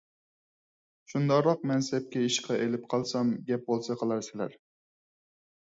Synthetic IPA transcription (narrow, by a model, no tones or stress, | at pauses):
ʃund̪ɑʁɾɑq̚mɛnsɛp̚kʲɛiʃqʰɑʔelɪp̚qʰɑlˠsɑmɡʲɛp̚bolˠsɑqʰəlˠɑɾsɪlæ̰ɾ